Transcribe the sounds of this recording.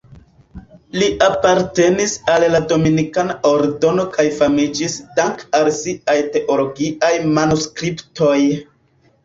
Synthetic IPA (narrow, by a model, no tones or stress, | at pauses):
liʔapaɾte̞nisallado̞minikanaʔoɾdo̞no̞kʰajfamid͡ʒisdaŋkalsiajte̞ʔo̞lo̞ɡiʔajmanuskɾiptʰo̞j